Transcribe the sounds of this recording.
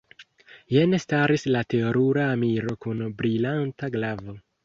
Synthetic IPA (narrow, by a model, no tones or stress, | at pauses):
jenestaɾislate̞oɾuɾaːmiɾo̞kunbɾilantaɡlavo̞